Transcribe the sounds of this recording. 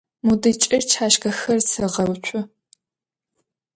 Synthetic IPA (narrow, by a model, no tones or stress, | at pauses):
mudɨt͡ʃʼɪrt͡ʃʰaːʃkɐxɐrsʰɐʁɐwt͡ʃʷʰʼʊ